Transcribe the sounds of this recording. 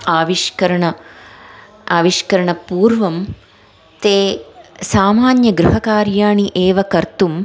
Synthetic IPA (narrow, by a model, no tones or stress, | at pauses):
aːʋiʃkɐɾɐɳɐ | aːʋiʃkɐɾɐɳɐpuːɾʋɐm | t̪eːsaːmaːnjɐɡɾuɦɐkaːɾjaːɳiʔeːʋɐkɐɾt̪um